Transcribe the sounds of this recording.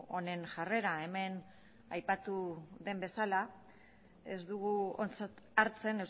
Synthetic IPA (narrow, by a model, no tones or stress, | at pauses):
one̞nʝare̞ɾae̞me̞n | ajpat̪uðe̞mbe̞sala | e̞zd̪uɣuot͡s | aɾt͡se̞ne̞ws